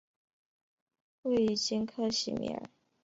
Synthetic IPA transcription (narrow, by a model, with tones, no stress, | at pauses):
we˥˩ɪy˥˩t͡ɕi˥nkʰɤ˥˧ɕḭ˨˩mḭ˧˩˥ə̰˞˧˦